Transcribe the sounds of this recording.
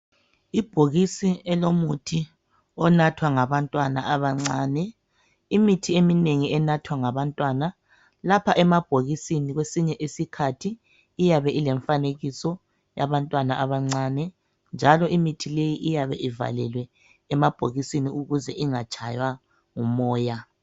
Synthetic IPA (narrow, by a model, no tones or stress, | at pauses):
ib̥ʱoɣisiɛlomutʰi | ɔnatʰwaŋaβantʼwana̰aβaŋ͡ǀaːnɛ | imitʰiemineŋiɛnatʰwaŋaβantʼwana | lapʰaʔɛmab̥ʱoɣisiniɣwesiɲɛʔesikʰatʰiː | jaβɛʔilɛɱfaneɣisɔ | jaβantʼwanaʔaβaŋ͡ǀaːnɛ | nd͡ʒʱalɔimitʰilejiʔijaβɛʔiva̰lɛ̰lwɛ | ɛmab̥ʱoɣisiniuɣuzɛʔiŋat͡ʃʼʰajwa | ŋumɔːja